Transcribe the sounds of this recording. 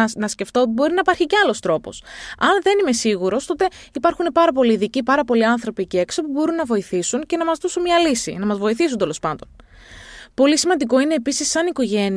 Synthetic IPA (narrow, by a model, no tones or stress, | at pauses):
nɐsce̞ft̪oot̪ibo̞ɾinɐipɐɾçiceɐlo̞st̪ɾo̞po̞̰sɐnðe̞nime̞siɣuɾo̞st̪o̞t̪e̞ | ipɐɾxune̞pɐɾɐpo̞liːðicipɐɾɐpo̞liɐnθɾo̞piceeksopubo̞ɾunːɐvo̞iθisunce̞nɐmɐzðosunmiɐlisḭnɐmɐzvo̞iθisunt̪e̞lo̞spɐnd̪o̞̰n | po̞lisimɐnd̪iko̞ine̞ːpisisːɐniko̞ʝe̞n